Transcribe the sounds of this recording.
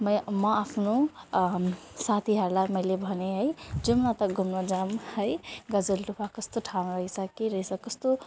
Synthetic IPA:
məjmʌapʰno | sat̪ʰiɦəɾlaməjlebʱəneɦəjd͡ʒumnat̪əɡʱumnod͡ʒamhəjɡəd͡ʒəlʈupʰakəst̪oʈʰãnɾəɦisəkiɾəisəkəst̪o

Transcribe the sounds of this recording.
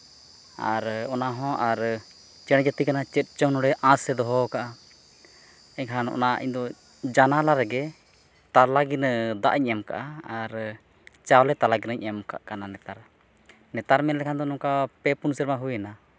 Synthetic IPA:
a̰ɾɔnaɦɔ̃ʔaɾ | t͡ʃɛɽɛ̃d͡ʒat̪ikanat͡ʃɛt̪̚t͡ʃənɔɽɛʔãsɛd̪ɔɦɔkaʔa | ɛkʰanʔɔ̰naʔḭɲd̪ɔ | d͡ʒanalaɾɛɡɛ | t̪alaɡind̪a̰ʔɲɛmka̰ʔaaɾ | t͡ʃawlɛt̪alaɡinəɲɛmka̰ʔkananɛt̪aɾ | nɛt̪aɾmɛnlɛkʰand̪ɔnɔmkapɛpunsəɾmaɦujɛna

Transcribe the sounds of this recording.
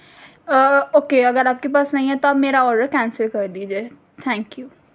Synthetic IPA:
oːkeɐɡəɾaːp̚kep̬aːsnɐɦĩɦɛt̪oaːpmeːɾaɔːɾɖəɾkɛ̃ːnsəlkɐɾd̪id͡ʒeː | t̪ʰɛ̃ːŋkjuː

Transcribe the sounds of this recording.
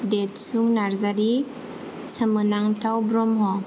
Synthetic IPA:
detsuŋnaɾzaɾi | səmɯnaŋtʰawbɾɔmɦɔ

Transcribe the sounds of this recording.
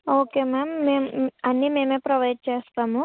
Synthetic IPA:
oːkeːmaːmːeːmuɐnːiːme̞ːmeːpɾɐʋɐjɖ̚t͡ʃeːst̪aːmu

